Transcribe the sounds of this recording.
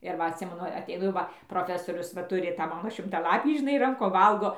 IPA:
ɪr ˈʋɐ ɐtʲˈsʲɪmʲɛnʊ ɐtʲɛɪˈnʊ jɛʊ ˈʋɐ proːˈfʲæːsoːrʲʊs ʋɐ ˈtʊrʲɪ tɑː ˈmɑːnoː ʃʲɪmtɐˈlˠɑːpʲiː ʒʲɪˈnɐɪ ˈrɐŋkoːm ˈʋɐlˠɡoː

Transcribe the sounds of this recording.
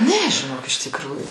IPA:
ˈnʲɛ ʒʲɪˈnoːk ɪʃ tʲɪkˈruːjʊ

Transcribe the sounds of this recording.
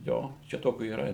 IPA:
ˈjoː t͡ʃʲɛ ˈtoːkʲʊ iːˈrɐ

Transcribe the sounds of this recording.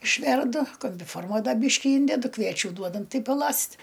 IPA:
ɪʃʲˈʋʲɛrdʊ koːmʲbʲɪˈfoːrmɐ ˈdɐ ˈbʲiːʃʲkʲɪ ˈiːnʲdʲɛdʊ ˈkʋʲiɛt͡ʃʲʊ ˈduɔdɐm ˈtɐɪ pɐˈlˠɐsʲtʲ

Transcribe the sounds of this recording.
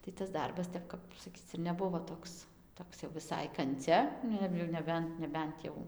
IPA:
tɐɪ tɐs ˈdɐrbɐs ˈtʲɛp kɐp sɐˈkʲiːt͡s ɪr nʲɛˈbʊʋoː ˈtoːks ˈtoːks jɛʊ ʋʲɪˈsɐɪ kɐnʲˈt͡sʲɛ ˈnʊ ɪr jɛʊ nʲɛˈbʲɛnt nʲɛˈbʲɛnt jɛʊ

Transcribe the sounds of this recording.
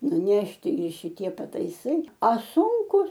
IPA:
nʊˈnʲæːʃʲtʲɪ ɪ ʃʲɪˈtʲiɛ pɐtɐɪˈsɐɪ ɐ ˈsʊŋkʊs

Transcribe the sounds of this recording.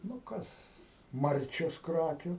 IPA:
nʊ ˈkɐs ˈmɐrʲt͡ʃʲoːs ˈkrɑːkʲʊ

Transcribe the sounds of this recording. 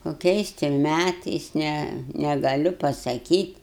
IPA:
koːˈkʲɛɪs tʲɪ ˈmʲætɐɪs ˈnʲɛ nʲɛɡɐˈlʲʊ pɐsɐˈkʲiːtʲ

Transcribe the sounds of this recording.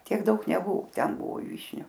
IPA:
ˈtʲiɛk ˈdɐʊk nʲɛˈbʊʋʊ ˈtʲɛn ˈbʊʋoː ˈʋʲiːʃʲnʲʊ

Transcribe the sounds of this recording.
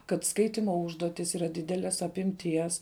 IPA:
kɐt ˈskɐɪtʲɪmoː ˈʊʒduɔtʲɪs ˈiːrɐ ˈdʲɪdʲɛlʲɛs ɐpʲɪmʲˈtʲiɛs

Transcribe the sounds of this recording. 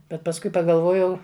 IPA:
bʲɛt pɐsˈkʊɪ pɐɡɐlˠˈʋoːjɛʊ

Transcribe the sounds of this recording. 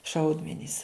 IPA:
ˈʃɐʊdʲmʲɛnʲiːs

